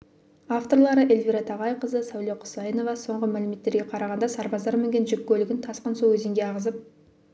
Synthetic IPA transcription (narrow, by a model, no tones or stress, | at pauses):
aft̪o̞ɾlˠɑɾəʔe̞lvʲiɾɑt̪ʰɑʁɑjqəzəsæwleqʰʊ̥sɑjəno̞vɑso̞ɴʁəmælɪme̞t̪ːe̞ɾɡʲe̞qʰɑɾɑʁɑnd̪ɑsɑɾbɑzd̪ɑɾmɪŋɡʲenʒɪkʲkʲːɵlɪɡʲɪnt̪ʰɑsqənsowɵzɪŋɡʲe̞ɑʁəzəp̚